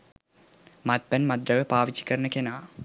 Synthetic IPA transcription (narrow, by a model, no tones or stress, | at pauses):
mat̪̚bænmad̪ɾəʋəpaːʋit͡ʃi̥kəɾənəkenaː